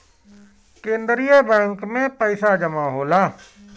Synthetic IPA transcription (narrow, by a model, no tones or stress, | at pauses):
kẽːnd̪ɾijebɛ̃ːŋkmẽpəɪsad͡ʒəmaːɦoːlaː